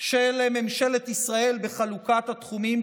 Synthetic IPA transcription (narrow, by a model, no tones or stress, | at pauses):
ʃelememʃe̞let̪isʁae̞lbe̞χalukat̪hat̪χumim